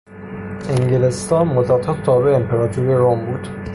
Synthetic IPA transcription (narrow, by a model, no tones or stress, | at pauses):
eŋɟelest̪ɒːnmod̪ɒːt̪ʰɒt̪ʰt̪ʰɒːbeeempʰeɾɒːt̪ʰuɾiɾombuːd̪̥